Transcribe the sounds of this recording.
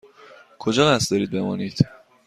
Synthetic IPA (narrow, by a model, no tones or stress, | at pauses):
kʰod͡ʒɒːɣæst̪ɒːɾiːd̪̚be̞mɒːniːd̪̥